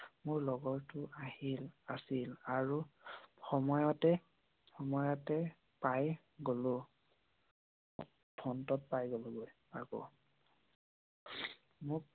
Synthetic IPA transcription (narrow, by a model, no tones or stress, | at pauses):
mʊɹlɔɡɔɹtʊʔahilasilaɹuxɔmɔjɔtɛ | xɔmɔjɔtɛ | paj | ɡolo | dʰɔntɔt̚pajɡoloɡoj | aɡɔ̰ | mʊk̚